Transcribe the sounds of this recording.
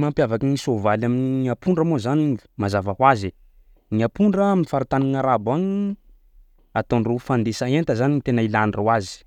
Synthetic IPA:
mampjavakinisovalaminiapuɳɖ͡ʐəmozanimazavahwaze | niapuɳɖ͡ʐəminifaɾut̪aniŋaɾabaɲi | at̪onrufand̪esaent̪əzanint̪enailanrowazi̥

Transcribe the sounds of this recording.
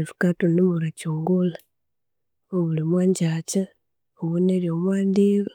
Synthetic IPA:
fu̥katonimuɾacuːŋɡula | oβulimwaːɲɟaːca | oβoneɾjomwaːndiko

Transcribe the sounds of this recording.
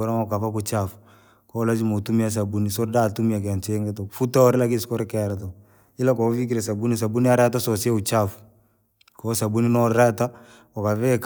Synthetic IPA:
ɔɾaŋɔkafakʊt͡ʃafu | kɔlad͡ʒimotumias̬abunisoɾdatumiakant͡ʃeŋɡɛtɔfutaɔɾɪlakiskɔɾɛkɛɾat̬o | ɪlakɔvik̬iɾes̬abunis̬abuniaɾɛtasɔsiaut͡ʃafu̥ | kɔsabuninɔɾɾɛta | ɔkavɛk

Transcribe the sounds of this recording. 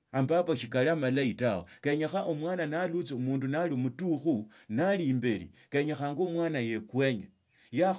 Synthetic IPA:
ambapaʃikaliamalaitawokeɲaxaʔomwaːnanalut͡seumuːndunalimutuxu | nalimbelḭkeɲaxaŋɡomwaːnaje̞kwe̞ɲe | ja

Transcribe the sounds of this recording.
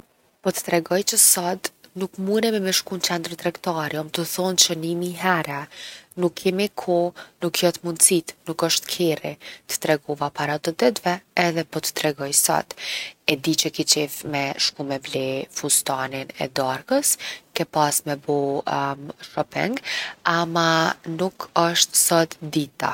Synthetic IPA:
pɔt̪ə̥t̪ɾɛɡɔjt͡ʃəsad̪nukmuɾɛmɛmɛʃkunt͡ʃɛnd̪ɾt̪ɾɛkt̪aɾjɔmt̪əθɔnt͡ʃənimiɦɛɾɛnukʰːɛmikʰɔnukʰjɔt̪mund̪sit̪nukəʃt̪kʰɛrḭt̪ə̥t̪ɾɛɡɔvapaɾat̪əd̪ɛt̪vɛːðɛpɔt̪ə̥t̪ɾɛɡɔjsɔ̰t̪ɛd̪it͡ʃəkit͡ʃɛvmɛʃkumɛvlɛfust̪aninɛ̰d̪aɾkəskɛpasmɛbɔmʃɔpɛ̰ŋɡamanukəʃt̪sɔt̪d̪it̪a̰

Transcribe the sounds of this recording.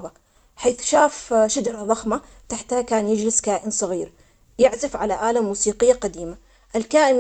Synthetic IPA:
ba | ħeːθʃaːfʃad͡ʒɑɾˤɑðˤɑxma | t̪aħt̪hakaːnjɪd͡ʒlɪskaːʔɪnsˤɑɣiːɾ | jɪʕzɪfʕalaʔaːlamːuːsiːqɪjːaqɑd̪iːma | ʔɪlkaːʔɪn

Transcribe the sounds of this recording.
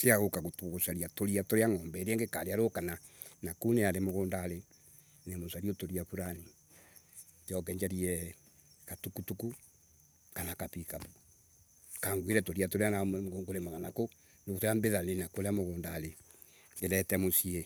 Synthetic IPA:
seaɣokaɣotoɣosaɾiatoɾiatoɾeaŋɔːmbɛɾeɛŋɡekaɾeaɾokana | nakuneaɾemoɣoːndaːle | nemosaɾiotoɾiafuɾani | d͡ʒɔkɛɲd͡ʒaɾiɛ | katukutuku | kanakapika | kaŋɡwiɾɛtoɾiatoɾeanaɡoŋɡoɾemaɣanako | neβotoambeðanenakoɾeamoɣoːndale | eɾɛtɛmosie

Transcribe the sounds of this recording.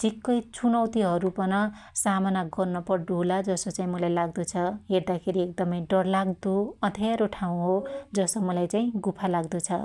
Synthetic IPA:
tikːʌjt͡sʰunʌwt̪iɦʌɾupʌnʌsamanaɡʌrnʌpʌɖolad͡zʌsot͡saĩmʌlajlaɡd̪ot͡sʰʌɦeɾd̪akʰeɾiek̚d̪ʌmʌjɖʌrlaɡd̪oʌd̪ʰʱeɾoʈʰaw̃ɦod͡zʌsomʌlajt͡saĩɡupʰalaɡd̪ot͡sʰʌ̰

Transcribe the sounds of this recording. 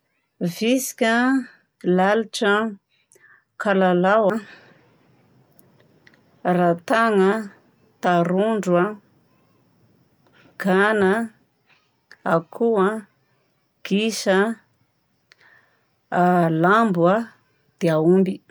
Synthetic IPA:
visi̥kʲə | laliʈ͡ʂə | kʰalalawa | rat̪aŋə | t̪aɾuɳɖ͡ʐwa | ɡ̥ana | akʰua | ɡ̥iʃə | lambwa | d̪̥eaumbi

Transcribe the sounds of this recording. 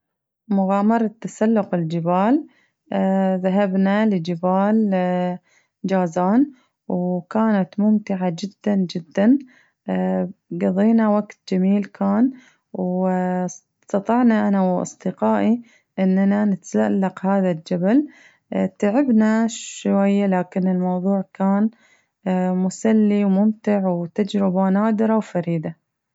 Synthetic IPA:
mʊɣɑːmɑɾˤɑt̪ːasalːʊqɪld͡ʒɪbaːlː | ðaɦabnalɪd͡ʒɪbaːl | d͡ʒaːzaːn | wkaːnat̪mʊmt̪ɪʕad͡ʒɪd̪ːand͡ʒɪd̪ːan | ɡɑðˤiːnawaɡt̪̚d͡ʒamiːlkʰaːn | w | st̪ɑt̪ˤɑʕnaʔanawʔɑ̰sˤd̪ɪqɑːʔi | ʔɪnːananɪt̪zaʔlːaqhaːðald͡ʒabal | t̪aʕɪbnaʃwajːalaːkɪnɪlmɑwðˤuːʕkaːnː | mʊsalːiwmʊmt̪ɪʕwt̪ad͡ʒɾɪbanaːd̪ɨɾɑwfaɾiːd̪a

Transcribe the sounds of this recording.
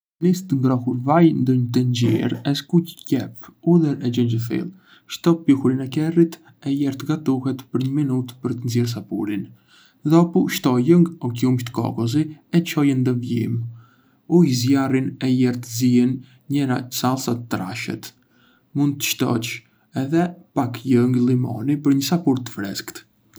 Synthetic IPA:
nist̪əŋɡɾɔhuɾvajnd̪əɲt̪ənd͡ʑḭɾɛskucə̥cɛpuðɛɾɛd͡ʒənd͡ʒəθḭlˠ | ʃt̪ɔpihuɾinɛkɛrit̪ | ɛjɛɾt̪əɡat̪uhɛt̪pəɾɲəminut̪pəɾt̪ənzɛɾs̬apṵɾin | ðɔpuʃt̪ɔjəŋɡɔkiumʃt̪ə̥kɔ̰kɔz̬iɛt͡ʃɔjɛnd̪əvjḭm | uizjarinɛjɛɾt̪əziɛn | ɲɛɾa̰salˠsat̪ət̪ːɾa̰ʃɛ̰t̪ | mund̪̚t̪ə̥ʃt̪ɔ̰t͡ʃ | ɛðɛpakjəŋɡlˠimɔ̰nipəɾɲəsapuɾt̪ə̥fɾɛ̰skt̪

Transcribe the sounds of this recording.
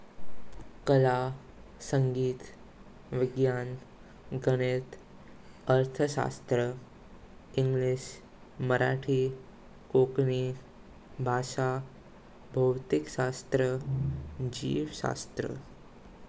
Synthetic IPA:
kəla | səŋɡiːt̪ | ʋiɡjan | ɡəɽ̃et̪ | əɾt̪ʰəʃa̰st̪ɾə | iŋɡliɕ | məɾʔa̰ʈʰiː | kokni | bʱaʃa | bʱəwt̪ikʃast̪ɾə | d͡ʑḭːʋɕa̰st̪ɾə̰

